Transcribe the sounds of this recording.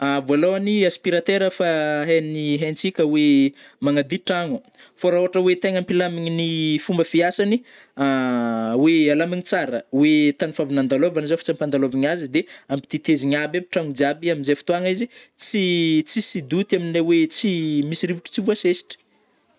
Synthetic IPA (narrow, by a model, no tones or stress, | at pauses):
avualowaniaspiɾat̪eɾəfaɦeniɦent͡sikʲəwemaŋad̪iʈ͡ʂaŋu | faɾaoaʈ͡ʂəwet̪eŋampilamiɲinifumbəfiasani | awealamiŋit͡saɾəwet̪anifavinand̪alovanzafḁt͡sampand̪aloviɲazid̪eampi̥t̪it̪eziɲabapi̥ʈ͡ʂaŋud͡ziabiaminzefi̥t̪uaŋizit͡sit͡sisid̪ut̪aminawet͡simisiɾivuʈ͡ʂu̥t͡sivuasesi̥ʈ͡ʂi̥